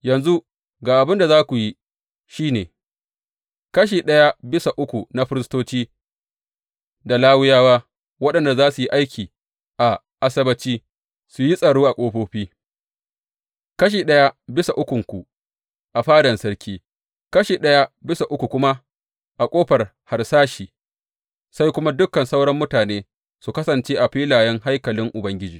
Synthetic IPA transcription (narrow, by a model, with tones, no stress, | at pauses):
jɐ˨nzu˦ | ɡaː˨ʔa˨bɪ˦nda˨zaː˦kʷu˨ji˦ | ʃiː˦neː˨ | kɐ˦ʃ̬iː˨ɗɐ˦ja˦bɪ˦sa˨ʔʊ˦kʷu˨na˨ɸɪ˦ɾɪ˦s̬toː˦t͡ʃiː˦ | da˨laː˦wɪ˦jaː˦waː˦ | wɐ˦ɗɐ˨nda˨zaː˦su˨ji˦ʔa˦jkʲiː˨ | ʔa˨ | ʔa˦sɐ˦bɐ˨t͡ʃiː˦ | su˨ji˦sʼɐ˨ɽoː˦ʔa˨kʷʼoː˦ɸoː˦ɸiː˦ | kɐ˦ʃ̬iː˨ɗɐ˦ja˦bɪ˦sa˨ʔʊ˦kʷʊ˨ŋkʷu˨ | ʔa˨ɸaː˦dɐ˨nsɐ˦ɽkʲiː˦ | kɐ˦ʃiː˨ɗɐ˦ja˦bɪ˦sa˨ʔʊ˦kʷu˨kʷʊ˦ma˦ | ʔa˨kʷʼoː˦ɸɐ˨r | ha˨rsaː˦ʃiː˨ | sa˦jkʷʊ˦ma˦dʊ˦kːɐ˨nsa˦wɽɐ˦mːʊ˦taː˨neː˦ | su˨kɐ˦sɐ˨nt͡ʃeː˦ʔa˨ɸiː˦laː˨jɛ˦ŋɦa˦jkɐ˨lɪ˦ŋʔʊ˨bɐ˦ŋɡʲɪ˦d͡ʒiː˨